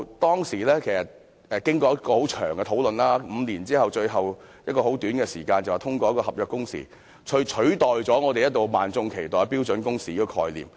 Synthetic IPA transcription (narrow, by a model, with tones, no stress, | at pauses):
t̪ɔː˥ŋsiː˨˩lɛː˥kʰe˨˩jsɐ˨t̚ | ɛː˨˧kɪ˥ŋkɔː˧jɐ˥t̚kɔː˧ho˨˥wt͡ʃʰœ̰ː˨˩ŋɡɛ˧t̪ʰo˨˥wlɵ˨nlaː˥m̩˨˧niː˨˩nt͡siː˥hɐ˨wt͡ʃɵ˧ɥɦɐ˨w | jɐ˥t̚kɔː˧ho˨˥wt̪yː˨˥nɡkɛ˧siː˨˩kaː˧nt͡sɐ˨waː˨t̪ʰʊ˥ŋkʷɔː˧jɐ˥kɔ˧hɐ˨p̚jœː˨˩kːʊ˥ŋsḭː˨˩ | t͡ʃʰɵ˨˧˥t͡ʃʰɵ˨˥ɥt̪ɔː˨jt͡sɔː˨˥ŋɔː˨˧t̪e˨jɐ˥t̪̚lo˨wmaː˨nt͡sʊ˧ŋkʰe˨˩jt̪ɔː˨jpiː˥wt͡sɵ˨˥nkʊ˥ŋsiː˨ji˧˩kʰɔ̰ː˧jlḭː˨m